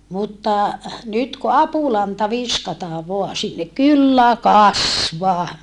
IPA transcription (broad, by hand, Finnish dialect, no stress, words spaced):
mutːɑ nyt ku ɑpulɑntɑ ʋiskɑtɑː ʋoɑ sinːek kylːæ kɑsʋɑː